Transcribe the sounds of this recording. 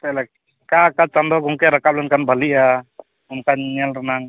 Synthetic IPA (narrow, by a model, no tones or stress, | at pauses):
t̪ɛlɛ | kakat͡ʃand̪ɔɡɔŋkɛɾakap̚lɛnkanbʱaliʔa | unkaɲɛlɾanaŋ